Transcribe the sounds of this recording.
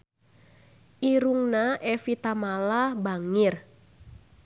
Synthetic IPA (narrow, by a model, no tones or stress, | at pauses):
ʔiɾuŋnaʔɛfit̪amalahbaŋir